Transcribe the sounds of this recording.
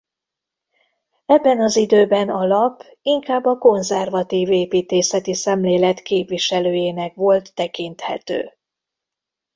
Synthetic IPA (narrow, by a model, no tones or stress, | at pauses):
ɛbːɛnɒzid̪øːbɛnɒlɒp | iŋkaːbːɒko̞nzɛrvɒt̪iːveːpiːt̪eːsɛt̪isɛmleːlɛt̪keːpʋiʃɛløːjeːnɛkʋo̞lt̪ːɛkint̪hɛ̰t̪ø̰ː